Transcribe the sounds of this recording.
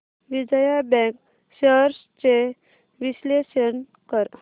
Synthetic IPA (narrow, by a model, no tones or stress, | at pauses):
ʋid͡zəjabɛ̃k | ɕəɾs | t͡ɕe | ʋiɕleɕən | kəɾ